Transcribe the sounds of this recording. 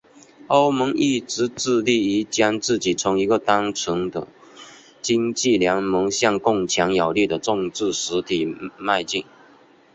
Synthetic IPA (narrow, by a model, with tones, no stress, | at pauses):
o˥ʊmə˧˥ŋi˥˩ʈ͡ʂɻ̩˧˥t͡sɹ̩˥˧li˥˩i˧˥t͡ɕja˥ŋt͡sɹ̩˥˩t͡ɕi˨˩t͡sʰʊ˧˥ŋi˧˥ɡə˨˧t̪a˥ŋt͡sʰə˧˦˥ŋd̪ə̰˧˨ | t͡ɕi˥ŋt͡ɕi˥˩ljɑ˧˥ŋmɤ˧˥ŋɕjɑ˥˧ŋkʊ˥˩ŋt͡ɕʰjɑ˧˥ŋja˨˩ʊli˥˩d̪ə˩ʈ͡ʂʊ˥˧ŋt͡sɹ̩˥˩ʂɻ̩˧˥t̪ʰi˨˩ma˥˧ɪt͡ɕi˥˩ŋ